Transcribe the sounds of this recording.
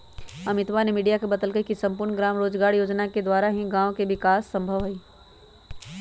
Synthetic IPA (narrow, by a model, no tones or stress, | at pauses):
ɐmɪt̪ʋanemiːɖijakebɐd̪əlɡəikisɐ̃mpʊɾnɡɾaːmɾoːd͡ʒɡaːɾjoːd͡ʒnaked̪waːɾaɦĩɡãːõkeʋɪkaːsːɐ̃mbʱəʋɦɐiː